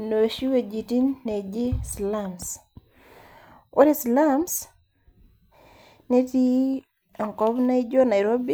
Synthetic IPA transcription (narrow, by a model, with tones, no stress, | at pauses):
no˨ʃi˦we˨d͡ʒi˨ti˦nːe˨d͡ʒɪ˦sla˦ms | o˦ɾi˦sla˦ms | ne˦ti˦ | a˨ŋkɔ˦bna˦ɪ˦d͡ʒɔ˦na˨jɾo˦bi˦